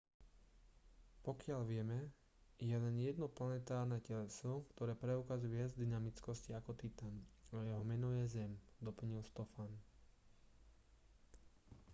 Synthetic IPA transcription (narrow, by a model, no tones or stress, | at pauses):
pɔkɪalʋɪɛmɛ | jɛlɛnjɛd̪nɔplanɛt̪aːɾnɛːcɛlɛsɔkt̪ɔɾɛːpɾɛukazujʋɪad͡zd̪inamit͡skɔsciakɔt̪it̪anajɛɦɔmɛnɔjɛzɛmd̪ɔpl̩ɲilst̪ɔfan